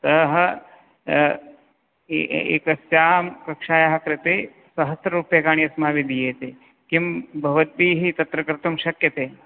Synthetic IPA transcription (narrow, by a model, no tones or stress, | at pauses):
t̪ɐɦɐ | ḛːkɐsjaːmkɐkʂaːjaɦɐkɾɪt̪eː | sɐɦɐt̪ɾɐɾuːpjɐkaːɳ̃jɐsmaːʋid̪ʱijeːt̪e | kimbʱɐʋɐt̪̚biːɦit̪ɐt̪ɾɐkɾɪt̪umʃɐkjɐt̪eː